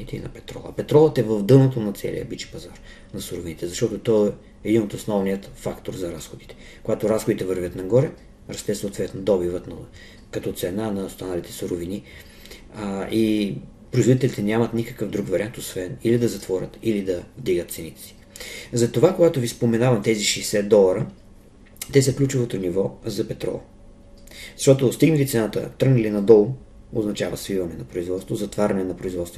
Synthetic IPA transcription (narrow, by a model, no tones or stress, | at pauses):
it̪ɛḭnɐ̰pɛt̪ɾɔ̰lˠɐ̰pɛt̪ɾɔlˠət̪ɛvəvd̪ɤlˠnot̪onɐt̪sɛ̰lḭə̰bit͡ʃi̥pɐzaɾ | nɐsʊɾovinit̪ɛzɐʃt̪ɔt̪ot̪ɔ | ɛːd̪inot̪osnɔvnijət̪fakt̪oɾzɐɾasxod̪i̥t̪ɛ̥ | koɡat̪oɾasxod̪it̪ɛvɤɾvʲət̪nɐɡɔɾɛ | ɾɐst̪ɛsoːt̪vɛt̪nod̪ɔbivət̪nɐ | kɐt̪ɔt̪sɛnanɐst̪analit̪ɛ̥suɾovini | i | pɾoizvod̪it̪ɛlit̪ɛnʲamɐt̪nikə̥kəvd̪ɾuɡvɐɾʲiant̪osvɛnilid̪ɐzɐt̪vɔɾʲə̰t̪ilid̪ɐvd̪iɡət̪t̪sɛnit̪ɛ̥si̥ | zɐt̪ovakoɡat̪ovispomɛnavɐmt̪ɛziʃɛjsɛt̪̚d̪ɔlˠɐɾə | t̪ɛsəklʲut͡ʃʊvot̪onivɔzɐpɛt̪ɾɔ̰ | zɐʃt̪ɔt̪ost̪iɡnəlit̪sɛnat̪ə̰t̪ɾəɡnəlinɐd̪ɔlˠ | oznɐt͡ʃavə̰svivɐnɛnɐpɾoizvɔt̪st̪vozɐt̪vaɾʲɐnɛnɐpɾoizvɔt̪st̪vo